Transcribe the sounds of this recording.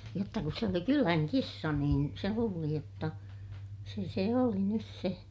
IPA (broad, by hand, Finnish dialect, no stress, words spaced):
jotːɑ kus se oli kylæŋ kisːɑ niːn se luːli jotːɑ se se oli nys se